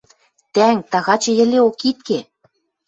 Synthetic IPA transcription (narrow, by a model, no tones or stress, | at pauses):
t̪æŋt̪ɑɣɑt͡ɕɤ̆jɘ̆lʲeokit̪̚ke